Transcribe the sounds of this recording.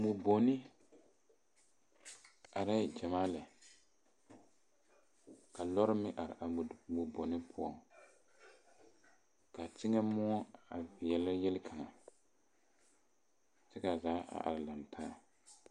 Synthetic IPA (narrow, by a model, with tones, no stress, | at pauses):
mu˨bo˨nɪ˦ | a˨ɾɪ˦d͡ʒa˨maː˦lɪ˨ | ka˨lɔ˦ɾɪ˦mɪ˦ʔa˨ɾɪ̰˨ʔa˨mu˨bo˨nɪ˦pʰʊ˦ɔ˨ŋ | ka˨t͡ʃɪ˦ŋɛ˦mɔ˦a̰˨vɪ˨jɛ˨lɪ˦jɛ˦lɪ˦kʰa˨ŋa˨ | t͡ʃɛ˦ka˨zaː˨˦ʔa̰˨ʔa̰˨ɾɪ˨la˨n˨tʰaː˦